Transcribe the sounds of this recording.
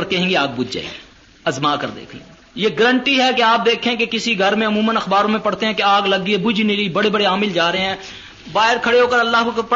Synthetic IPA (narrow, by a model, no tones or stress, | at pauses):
ɾkɛɦẽŋɡeaːɡ̚bʊd͡ʒ̪d͡ʒa̰ːḛ | ɐzmaːkəɾd̪ḛːkʰlḛ | jeːɡəɾə̃ɳʈiɦɛkeaːp̚d̪eːkʰẽkekɪsiɡʱɐɾmẽʊmuːmə̃nɐxbaːɾõmẽpɐɽt̪eɦɛ̃keaːɡlɐɡiebʊd͡ʒʱneliibɐɽebɐɽeaːmɪld͡ʒaːɾɐɦeɦɛ̃ː | baːɦɪɾkʰɐɽeɦoːkəɾɐlːaːɦkop